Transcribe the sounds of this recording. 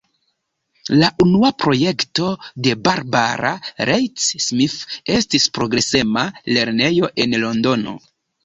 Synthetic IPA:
laʔunuapɾo̞je̞kto̞de̞baɾba̰ɾa̰ɾejsːmife̞stispɾo̞ɡɾe̞se̞male̞ɾne̞jo̞ʔe̞nlo̞ndo̞no̞̰

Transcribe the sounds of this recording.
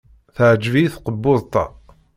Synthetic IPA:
θəʕəd͡ʒviθqəbːʊðˤt̪ˤɑ̰

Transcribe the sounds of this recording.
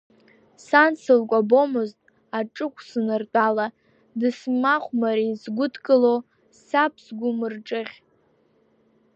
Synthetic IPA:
sansɨlkʷʼabomɨztʼ | aʈ͡ʂʼɨkʷʰsɨnɨrtʼala | dɨsmaχʷmaɾizɡʷʊdʰkʼɨlo | sapʰsɡʷʊmɨrʈ͡ʂʼɨʁʲ

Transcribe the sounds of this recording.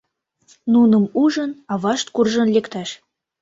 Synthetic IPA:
nunɤ̆muʒɤ̆nɑβɑʃt̪̚kurʒə̆nlekt̪æʃ

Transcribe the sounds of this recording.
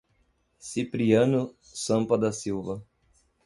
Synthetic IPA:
sipɾiɐ̃nʊ | sɐ̃mpɐd̪ɐsiwvɐ

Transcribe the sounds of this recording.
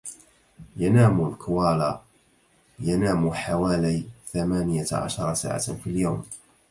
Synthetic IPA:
janaːmlkʰʊwaːlaː | janaːmħawaːlijθamaːnɪjaʕa̰ʃɑɾˤɑsa̰ːʕa̰filjawm

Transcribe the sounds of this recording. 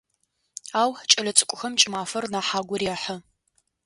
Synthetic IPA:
aːwħt͡ʃʼɐlɐt͡sʼɨkʷʼʊxɐmt͡ʃʼɪmaːfɐrnaːħaːɡʷɔrjaːħə

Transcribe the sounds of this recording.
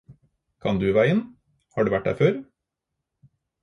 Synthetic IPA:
kʰɑnd̪ʉːʋæɪən | hɑːɖʉːʋæʈ̚dæ̰føːɾ

